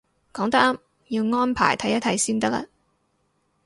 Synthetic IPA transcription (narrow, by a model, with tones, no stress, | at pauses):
kɔː˨˥ŋt̪ɐ˥k̚ɐ˥m | jiː˧wŋɔː˥npʰa̰ː˨˩jt̪ʰɐ˨˥jːɐ˥t̪ʰɐ˧jsiː˥nt̪ɐ˥k̚lɐ̰˧